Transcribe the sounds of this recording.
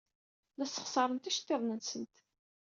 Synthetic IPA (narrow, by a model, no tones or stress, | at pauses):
læsə̥χsɑɾˤənt̪æʃt̪ːeðˤnənsənt̪